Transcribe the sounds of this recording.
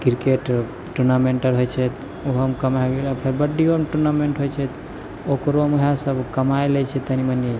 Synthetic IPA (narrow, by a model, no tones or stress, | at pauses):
kiɾkeʈ | ʈuɾnameɳʈəɾɦojt͡ʃʰɛt̪ | oɦəmkəmaeɡelapʰeɾbəɖiomʈuɾnameɳʈɦojt͡ʃʰɛt̪ | okɾomuɦãsəbʱkəmaelɛt͡ʃʰɛt̪əniməne